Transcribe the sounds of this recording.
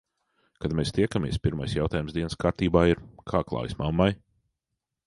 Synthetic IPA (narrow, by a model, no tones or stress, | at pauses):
kad̪mest̪ʲiɛkamʲiɛspʲiɾmajsjawt̪aːjumsd̪iɛnskaːɾt̪iːbaːiɾkʰaːklˠa̰ːjsmamːaj